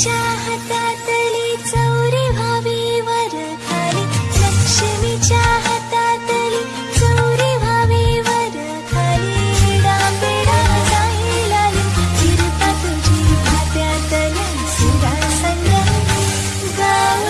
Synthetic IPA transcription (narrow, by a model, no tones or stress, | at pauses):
t͡ɕaɦɐt̪at̪əlit͡səwɾibʱaʋiʋəɾ | k̪ʰalilɐkʂimit͡ɕjaɦɐt̪at̪əli | t͡sɐwɾibʱaʋiʋəɾ | k̪ʰalieɽabeɽad̪aɦilalud͡ʒiɾp̪at̪ud͡ʑʱibʱat̪jat̪ɐli | sid̪ʱasɐŋɡa | ɡa